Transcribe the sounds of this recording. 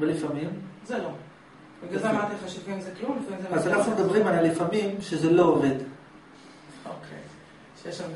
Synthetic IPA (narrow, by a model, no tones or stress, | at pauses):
lifamimzelo | ɡaammat̪emχaʃuvimzeklumlifaimzeazanaχnumed̪abʁimalalifamimʃezelo̞oved̪ | o̰kʰḛ | ʃejeʃam